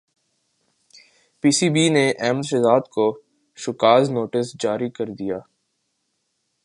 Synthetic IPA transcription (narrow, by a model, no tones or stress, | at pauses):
piːsiːbineʔɛːməd̪ʃɛzaːd̪ko | ʃʊkaːznoːʈɪsd͡ʒaːɾikɐɾd̪ijaː